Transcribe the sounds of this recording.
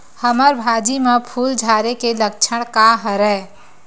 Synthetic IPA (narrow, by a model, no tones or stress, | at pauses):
həməɾbʱad͡ʒimepʰuld͡ʒʱaɾekelək̚t͡ʃʰəɽ̃kaɦəɾɛ